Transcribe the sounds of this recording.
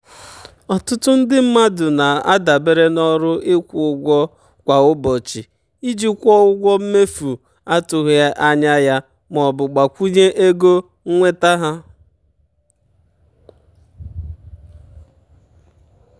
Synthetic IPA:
ɔ˨tʊ˦tʊ˦n̩˦dɪ˦m̩˦ma˦dʊ˨na˨a̰˦da˨be˦ɾe˦nɔ˦ɾʊ˦ɪ˦kʷʊ˨ʊ˦ɡʷɔ˦ | kʷa˨ʊ˦bɔ˨t͡ʃi˨ | i˦d͡ʒi˦kʷɔ˦ʊ˦ɡʷɔ˦m̩˦me˦fu˨ | a˦tʊ˨ɣja˦ʔa˦ɲa˦ja˦ | m˨ɔ˨bʊ˨ɡ͡ba˨kʷu˦ɲe˦ʔe˦ɡo˦ | ŋ̩˦ŋʷe˦ta˦ɦa˦

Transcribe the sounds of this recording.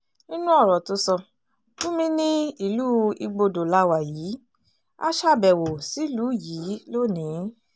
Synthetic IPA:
nĩ˦nũ˦ɔ˦˨ɾɔ˨to˧˦sɔ˧ | tũ˦mĩ˧nĩ˦i˦˨luː˦i˧ɡ͡bo˧do˨la˧wa˨jiː˨˦ | a̰˦ʃa˦˨bɛ˨wo˨si˨˦luː˨˦jiː˨˦lo˦˨nĩ˨˦

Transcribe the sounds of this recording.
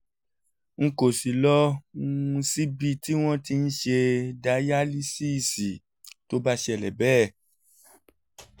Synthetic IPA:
ŋ̩˨ko˨si˨lɔ˦ũ˦˧si˦bi˧ti˦w̃ɔ̃˦ti˧n̩˦ʃe˧da˧˦ja˦li˦si˦˨si˨ | to˦ba˦ʃe˧ɛ˨lɛ˨bɛː˦˨

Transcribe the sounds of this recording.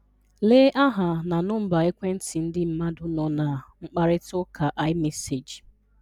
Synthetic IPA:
leː˦ʔa˦ɦa˨na˨nʊ˦m̩˦ba˨e˦kʷe˦n̩˦tʰi˨n̩˦dɪ˦m̩˦ma˦dʊ˦nɔ˨na˨ŋ͡m̩˦k͡pa˦ɾɪ˦tʊ˦kʰa˨ʔa˦ɪ˦me˦se˨d͡ʒ

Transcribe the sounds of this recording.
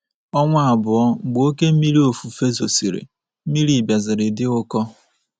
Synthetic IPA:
ɔ˦ŋʷa˦a˨bʊ˨ɔ˦ŋ͡m̩˨ɡ͡bo˦ke˦m̩˦mi˦ɾi˦o˨fu˨fe˦zo˨si˨ɾḛ˨˦ | mi˦ɾi˨bja˨zɪ˨ɾɪ˨dɪ˦ʊ˦kɔ˦

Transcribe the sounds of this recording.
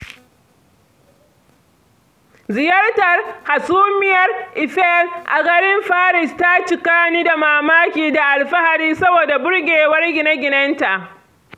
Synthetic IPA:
zɪ˨jɐ˦rtɐ˨rha˨suː˦mɪ˦jɐ˨rʔɪ˨ɸɛ˦lʔa̰˨ɡɐ˦ɾɪ˦mɸaː˦ɾɪ˨sta˦t͡ʃɪ˨kaː˦niː˦da˨maː˨maː˦kʲiː˨da˨ʔa˨lɸa˦ha˨ɾiː˦sɐ˦boː˨da˨bʊ˦ɽɡʲeː˨wɐ˦rɡʲɪ˨na˦ɡʲɪ˨nɐ˦nta˨ʔ

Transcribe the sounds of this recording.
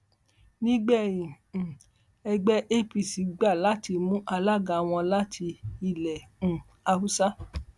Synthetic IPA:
nĩ˦ɡ͡bɛ˦˨jĩ˨ | ɛ˧ɡ͡bɛ˦ʔe˦˨pi˨si˨˦ɡ͡ba˦˨la˦ti˧mũ˦ʔa˧la˦˨ɡa˨˦w̃ɔ̃˧la˦tʰi˧i˧˨lɛ̃˨ | a˧u˦sa˦

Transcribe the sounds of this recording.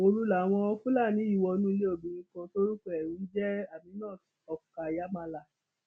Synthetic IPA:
o˧ɾu˦la˨w̃ɔ̃˧ɔ˧kũ˦la˦˨nĩ˨˦i˦˨wɔ˧nũ˦˧le˦o˨bĩ˨ɾĩ˧kɔ̃˧to˦ɾu˦k͡pɔ˦ɛ˨ɾũ˨˦d͡ʒɛ˦a˦˨mĩ˧˦nãː˦˨ | ɔ˨ka˨ja˦mã˧la˨

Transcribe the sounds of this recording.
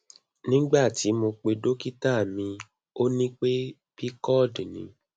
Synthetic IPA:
nĩ˦ɡ͡ba˦˨ti˨˦mo˧k͡pe˧do˦ki˦ta˦˨mĩ˧ | o˦nĩ˦k͡pe˦ | b̥i˦kɔ˦˨dnḭ̃˨˦

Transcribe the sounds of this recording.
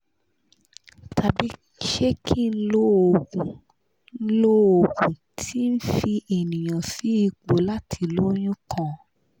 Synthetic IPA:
tʰa˨bi˨˦ | ʃe˦kʰi˦˨n̩˦lo˦o˨ɡũ˨ | n̩˦lo˦o˨ɡũ˨tʰi˦n̩˦fi˧ʔe˨nĩ˨j̃ã˨si˨˦i˧k͡po˨˦la˦tʰi˧˨lo˦j̃ũ˦kʰã˦˨

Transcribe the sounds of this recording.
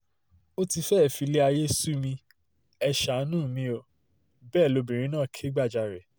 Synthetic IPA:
o˦ti˧fɛ˦˨fi˧le˦a˧je˦su˦mĩ˧ | ɛ˧ʃa˨˦nũː˦˨mĩ˦o˧ | bɛː˦˨lo˧bĩ˨ɾ̃ĩ˦nãː˦˨kʰe˦ɡ͡ba˦˨d͡ʒa˧˨ɾɛ˨

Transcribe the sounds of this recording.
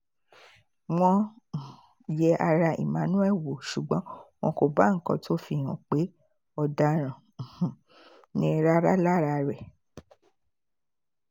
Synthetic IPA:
w̃ɔ̃˧˨ | jɛ˧ʔa˧ɾa˧ḭ˨mã˨˦nũ˦ɛ˦˨wo˨ʃu˨ɡ͡bɔ̃˨˦w̃ɔ̃˧ko˧˨ba˨˦ŋ̩˦kɔ̰̃˧tʰo˦fi˧˨hũ˨k͡pe˨˦ | ɔ˧da˧ɾ̃ã˨ | h̩˨ | nĩ˦ɾa˦ɾa˦la˦˨ɾa˧ɾɛ˨

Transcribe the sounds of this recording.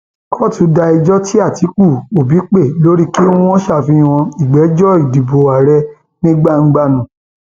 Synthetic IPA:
kʰɔ˦˨tũ˨˦da˧i˧d͡ʒɔ˦ti˦a˦˨ti˨˦k͡pu˦˨o˨bi˨˦k͡pe˦˨lo˨˦ɾi˦kĩ˦ɔ̃˦ʃa˦˨fĩ˧˦w̃ɔ̃˧i˨ɡ͡bɛ˨˦d͡ʒɔ˦i˦˨di˨bo˨a˨ɾɛ˧ | nĩ˦ɡ͡ba˦˨ŋ̩˦ɡ͡ba˦˨nũ˨

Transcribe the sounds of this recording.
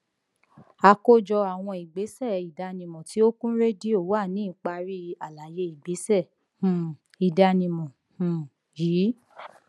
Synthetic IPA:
a˧ko˦d͡ʒɔ˧a˨w̃ɔ̃˧i˨ɡ͡be˨˦sɛ˦˨i˨da˧nĩ˨mɔ̃˨ti˨˦o˦kũ˦ɾe˦di˦o˦˨wa˦˨nĩ˦˨k͡pa˧ɾi˦˧a˨la˨˦je˧˦i˨ɡ͡be˨˦sɛ˦˨ | hũ˨ | i˨da˧nĩ˧mɔ̃˨ | hũ˨ | jiː˨˦

